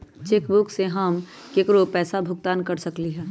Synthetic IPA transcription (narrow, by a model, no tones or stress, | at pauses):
t͡ʃekbʊkseɦəm | kekɾopɛːsabʱʊɡt̪aːnkəɾsɐkliɦɛː